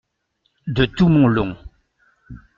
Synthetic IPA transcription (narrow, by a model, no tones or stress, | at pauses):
d̪ət̪umɔ̃lɔ̃